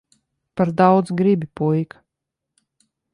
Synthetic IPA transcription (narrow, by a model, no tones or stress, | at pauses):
paɾd̪awd̪zɡɾibʲipujk